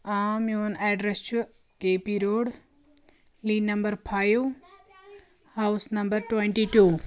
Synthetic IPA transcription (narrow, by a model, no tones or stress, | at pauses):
aːmjoːnɛːɖɾest͡ʃʰu | ɡeːpiɾoːɽ | liːnɐmbəɾpʰaːjʋ | hawsnɐmbəɾʈwẽɳʈiʈuː